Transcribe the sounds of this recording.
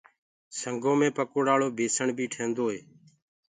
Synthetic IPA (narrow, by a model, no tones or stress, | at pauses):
səŋɡõːmẽːpəkoːɽaːɭoːbʱeːsəɳbʱiːʈʰẽːnd̪oːɦeː